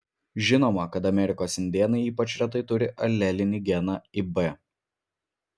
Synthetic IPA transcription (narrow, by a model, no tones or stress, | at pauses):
ʒʲɪnoːmɐkɐt̪ɐmʲɛɾʲɪkoːsɪnʲd̪ʲeːnɐɪiːpɐt͡ʃɾʲɛt̪ɐɪt̪ʊɾʲɪʔɐlʲːɛlʲɪnʲɪɡʲɛnɑibɛ